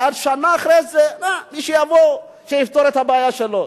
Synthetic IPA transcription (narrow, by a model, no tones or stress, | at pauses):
ʔad̪ʃanaːχɾezenamiʃejavo | ʃejift̪oɾet̪habeajaʃelo